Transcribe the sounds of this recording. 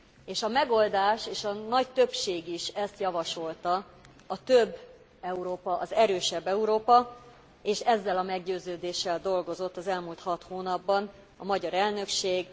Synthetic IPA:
eːʃɒmɛɡo̞ld̪aːʃeːʃɒnɒct̪ø̞pʃeːɡiʃɛst̪jɒvɒʃo̞lt̪ɒ | ɒt̪øbː | ɛuɾoːpɒʔɒzɛɾøːʃɛbːɛuɾoːpɒ | eːʃɛzːɛlɒmɛɡɟøːzøːd̪eːʃːɛld̪o̞lɡo̞zo̞t̪ːɒzɛlmult̪hɒt̪hoːnɒbːɒn | ɒmɒɟɒɾɛlnø̞kʃeːɡ

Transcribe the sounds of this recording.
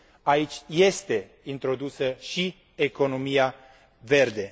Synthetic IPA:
ait͡ʃʲje̞st̪e̞ | int̪ɾo̞d̪usəʃi | eko̞no̞mija | ve̞rd̪e̞

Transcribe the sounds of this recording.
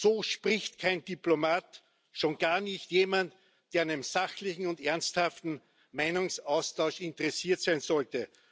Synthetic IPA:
soːʃpʁɪçtkʰaɪnd̥iplomaːt | ʃoːnɡ̥aːɐnɪçtjeːmant | d̥eːɐɪnmzaxlɪçŋ̩ʊndɛɐnsthaftn̩ | maɪnʊŋsaʊstʰaʊʃɪntəʁɛsiːɐtsæɪnzɔltə

